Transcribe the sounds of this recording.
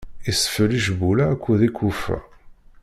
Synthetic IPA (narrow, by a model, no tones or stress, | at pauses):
isə̥fəliʃbulakʷːuðikʰʷːufæ̰